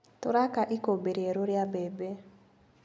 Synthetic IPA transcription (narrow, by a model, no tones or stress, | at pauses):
toɾakaʔikobeɾieɾoɾjabɛbe